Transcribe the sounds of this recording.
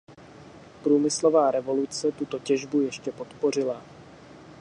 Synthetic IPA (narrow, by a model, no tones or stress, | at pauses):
pɾuːmɪslo̞vaːɾɛvo̞lut͡sɛt̪ut̪o̞cɛʒbujɛʃcɛpo̞t̪po̞r̝ɪla